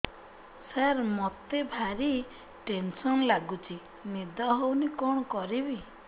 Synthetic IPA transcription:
saɾmɔt̪ebʱaɾi | ʈensɔnlaɡut͡ʃʰi | nid̪ɔɦownikɔɳɔkɔɾibi

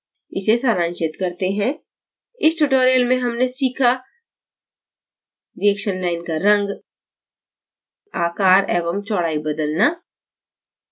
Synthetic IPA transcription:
ɪsesaːɾãːnt͡ʃɪt̪kɐɾt̪eɦɛ̃ | ɪsʈuːʈoːɾijəlmẽɦɐmnesiːkʰa | ɾiɛːkʃənlaːɪnkaɾɐ̃ŋɡ | aːkaːɾeːʋəmt͡ʃɔːɽaːibɐd̪əlnaː

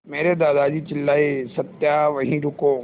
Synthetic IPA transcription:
meːɾed̪aːd̪aːd͡ʒit͡ʃɪlːaːisɐt̪jaʋɐɦĩɾʊkoː

